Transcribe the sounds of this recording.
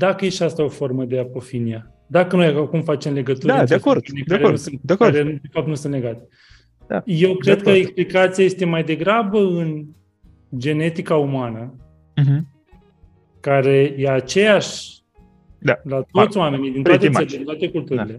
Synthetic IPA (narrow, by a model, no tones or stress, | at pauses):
d̪akəjeʃiast̪ao̞fo̞rməd̪e̞apo̞finia | d̪akəno̞jaakumfat͡ʃe̞mle̞ɡət̪uɾəadeakoinikd̪aɾeousɨnt̪̚d̪eakaɾed̪efap̚t̪nusɨnt̪le̞ɡat̪e | d̪aje̞wkɾed̪̚kəeksplikat̪siaje̞st̪e̞majd̪e̞ɡɾabəɨn | d͡ʒe̞ne̞t̪ikaumanə | ɦ | kaɾe̞jeat͡ʃe̞jaʃʲ | d̪alat̪o̞t̪sʲoame̞nid̪int̪at̪eld̪int̪wat̪ekult̪uɾile̞